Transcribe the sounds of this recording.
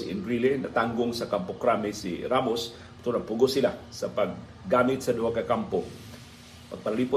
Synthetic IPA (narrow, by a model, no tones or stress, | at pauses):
ɪ̰nɾilenɐ̰t̪aŋɡʊŋsɐkampokɾamɪsḭɾamos | pʊ̥t̪ulapʊɡosɪlasɐpaɡ̚ː | aːmɪt̪̚sɐd̪ʊʔakakampo | pɐɡ̚pɐlalipo